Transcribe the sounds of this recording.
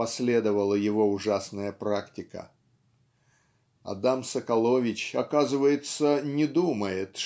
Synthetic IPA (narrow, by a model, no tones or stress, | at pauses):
ɐsʲlʲe̞d̪əvəlˠəjɪvo̞ʊʐasnəjəpɾaktʲɪkə̰ | ɐ̰d̪amsəkɐlˠo̞vʲɪt͡ɕɐkazɨvəjɪt̪sənʲɪd̪uməjɪt̪